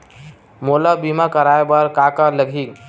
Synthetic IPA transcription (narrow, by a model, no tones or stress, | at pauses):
moləbimakəɾaebəɾkakələɡʱik